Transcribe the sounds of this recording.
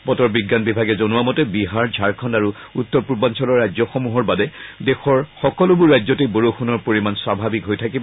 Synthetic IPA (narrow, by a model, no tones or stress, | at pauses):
bɔtɔɹbiɡːanbibʱaɡɛzonuamɔtɛbiɦaɹzʱaɹkʰɔndaɹuutːɔɹpuɹbansɔlɔɹajzɔxomuɦɔɹbadɛdɛxɔɹxɔkɔlʊbʊɹːajzɔteboɹoxʰunɔɹpoɹimanswabʱabikɦojtʰakibɔ